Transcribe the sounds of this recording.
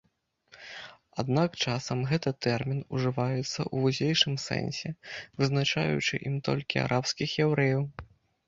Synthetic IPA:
ad̪nakt͡ʂasɐmɣɛt̪ɨt̪ɛrmʲinuʐɨvajɛt̪sːɐ̰ʔuvuzʲejʂɨmsɛ̰nsʲɛvɨznat͡ʂa̰jṵt͡ʂɨ̰ʔimt̪ɔ̰lʲkʲia̰ɾʔapskʲixjɛwɾɛjɐw

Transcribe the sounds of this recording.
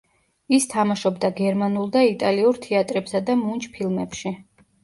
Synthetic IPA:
ist̪ʰamaʃɔbd̪aɡɛɾmanulˠd̪ait̪ʼaliuɾt̪ʰiat̪ʼɾɛbsad̪amunt͡ʃʰʼpʰilˠmɛpʃi

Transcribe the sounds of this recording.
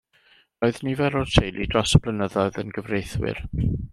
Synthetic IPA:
roɨðnivɛɾɔtʰejlˠid̥rɔsəb̥lənəðɔɨðənɡəvrejθwɪ̰r

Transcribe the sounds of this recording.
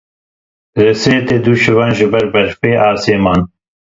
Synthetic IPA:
ɾɪseːt̪eːd̪uʃɪvaːnʒɪbɐɾbɐɾfeːʔaːseːmaːn

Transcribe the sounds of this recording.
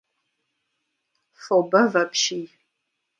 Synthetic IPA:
fobɐvɐpʰʃij

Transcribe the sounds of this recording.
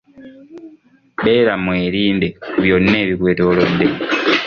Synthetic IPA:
ɓeːɾamweːɾiːndeβjonːeːβikwe̞ːtoːlodːe

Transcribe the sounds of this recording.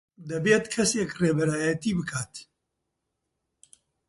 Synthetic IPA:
d̪ɐbeːt̪kʰɐsekreːbɛɾaːjɐt̪iːbɨkʰaːt̪

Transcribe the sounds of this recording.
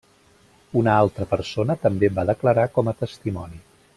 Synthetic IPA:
unəalˠt̪ɾəpəɾsonət̪əmbebaðəkləɾakɔmət̪əst̪imɔni

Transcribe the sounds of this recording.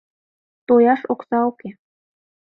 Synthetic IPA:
t̪ojɑʃoksɑoke

